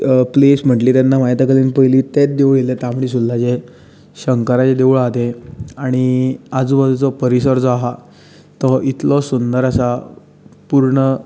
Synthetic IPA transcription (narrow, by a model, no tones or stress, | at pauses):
pliːsm̤əʈliːt̪janːamajt̪akəliːnpəjliːt̪et̚d̪eʋɭilet̪am̤uɭisud̪ːad͡ʑe | ɕəŋkəɾat͡ɕed̪eʋuɭat̪eaɽ̃iad͡zubədut͡sɔpəɾisəɾd͡zɔaɦa | t̪ɔʔit̪ʰlɔsund̪əɾasa | puɾɳə